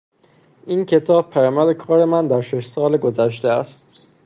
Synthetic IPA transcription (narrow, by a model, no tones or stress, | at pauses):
ʔiːncʰe̞t̪ʰɒːb̚pʰæjɒːmæd̪ekʰɒːɾe̞mænd̪æɾʃe̞ʃsɒːleɡo̞zæʃ̬t̪eæst̪̚